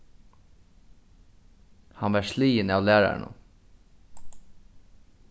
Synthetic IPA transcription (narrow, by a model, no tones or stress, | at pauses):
hɑnʋæːʂliːɪnɑːʋlæːɹæ̰ɳʊ̰